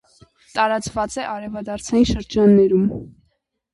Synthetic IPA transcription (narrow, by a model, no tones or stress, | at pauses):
t̪ɑɾɑt͡svɑt͡sɛʔɑɾɛvɑd̪ɑɾt͡sʰɑjinʃəɾd͡ʒɑnːɛɾum